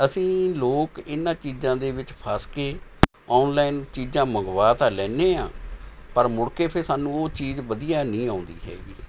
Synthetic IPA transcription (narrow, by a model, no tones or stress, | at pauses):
əsĩːloːkɪnːãːt͡ʃiːzãːd̪eːʋɪt͡ʃpʰaːskeː | ɔːnlaːɪnt͡ʃiːzãːməŋɡʋaːt̪aːlɛːneːã̰ːpəɾmʊɽkeːpʰɪɾsaːnũːoːt͡ʃiːzʋəd̪ijaːnĩːãːʊnd̪ḭːɦɛ̰ːɡiː